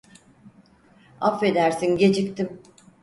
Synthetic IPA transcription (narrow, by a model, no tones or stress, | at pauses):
a̰fe̞d̪æɾsinɟe̞d͡ʒic̚t̪im